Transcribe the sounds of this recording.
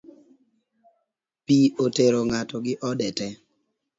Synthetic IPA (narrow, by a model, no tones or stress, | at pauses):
pioteɾoŋatɔɡɪʔɔdɛtɛ